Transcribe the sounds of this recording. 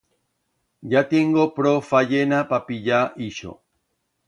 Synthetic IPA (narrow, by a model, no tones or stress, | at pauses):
ɟat̪eŋɡopɾofaʎenapapiʎaʔiʃo̰